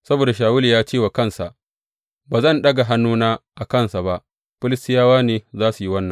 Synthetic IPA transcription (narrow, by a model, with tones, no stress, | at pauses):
sɐ˦boː˨da˨ʃ̬aː˨wʊ˦li˨jaː˦t͡ʃeː˦˨wa˨kɐ˦nsa˨ʔ | baː˨zɐ˦˨nɗɐ˦ɡa˨ɦa˦nːuː˦naː˦ʔa˨kɐ˦nsa˨ba˦ʔ | ɸɪ˦lɪ˦stɪ˦jaː˦waː˦neː˨zaː˦su˨ji˦wɐ˦nːɐ˨